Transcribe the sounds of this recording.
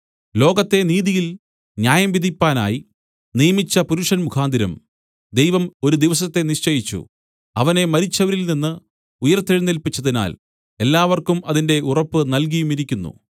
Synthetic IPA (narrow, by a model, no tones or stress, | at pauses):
lo̞ːɡɐt̪ːe̞niːðijil | njaːjɐmʋid̪ʱipːaːna̰ːji | nijɐmit͡ɕːɐpuɾuʂɐnmukʰaːnd̪ʱiɾɐ̰m | d̪e̞jʋɐmo̞ɾud̪iʋɐsɐt̪ːe̞niʂt͡ɕɐjit͡ɕːṵ | ɐʋɐne̞mɐɾit͡ɕːɐʋɐɾilninːɨ | ujɐrt̪ːeɻinːilpit͡ɕːɐðina̰ːl | e̞lːaːʋɐrkumɐðinde̞ʔurɐpːɨnɐlk̬ijumiɾikʲːunːṵ